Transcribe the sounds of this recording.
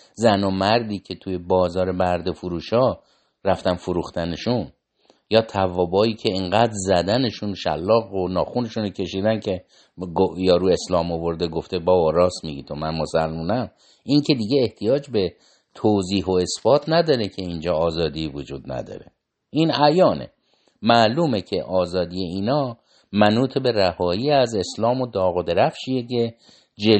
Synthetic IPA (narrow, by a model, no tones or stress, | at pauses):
zænomæɾd̪iːcʰe̞t̪ʰujebɒːzɒːɾebæɾd̪efuɾuːʃɒː | ɾæft̪ænfoɾuxt̪æneʃun | jɒːt̪ʰævɒːbɒːiːcʲʰe̞iŋɡæːd̪ɾzæd̪æneʃunʃæ̰lːɒːɣonɒːxune̞ʃunocʲʰe̞ʃiːd̪æncʰe̞ | ɡojɒːɾuːe̞slɒːmovo̞ɾd̪eɡoft̪ebɒːbɒɾɒːsmiɡit̪ʰomænmo̞sælmuːnæm | ʔiŋcʰe̞d̪iɟe̞eht̪ʰijɒːd͡ʒbe̞ | t̪ʰoːziːɦoe̞sfɒːt̪ʰnæd̪ɒːɾekcʰe̞ind͡ʒɒːzɒːd̪ivod͡ʒuːd̪næ̰d̪ɒ̰ːɾe̞ | ʔiːnæjɒːnḛ | mæluːme̞cʰe̞ʔɒːzɒːd̪ijeiːnɒː | mænuːt̪ʰebe̞ræhɒːjiːæze̞slɒːmo̞d̪ɒːɣod̪eɾæfʃijece̞ | d͡ʒe